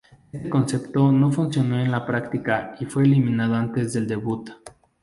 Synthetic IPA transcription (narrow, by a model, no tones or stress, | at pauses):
est̪eko̞nse̞pt̪o̞no̞funsjo̞no̞e̞nlapɾakt̪ikaifwe̞ːlimĩnað̞oant̪ezðe̞ld̪e̞βut̪